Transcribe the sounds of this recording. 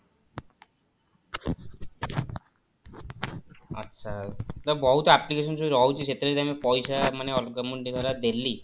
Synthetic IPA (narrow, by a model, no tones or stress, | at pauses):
ʌ̰tːʃʰat̪ɔbɔɦut̪ɔaplikes̬ɔnsuɾɔɦwt͡ʃʰiset̪eɾet̪amipɔjsamaneɔlkɔmuɳʈiɡ̪ʱɔɾad̪elːi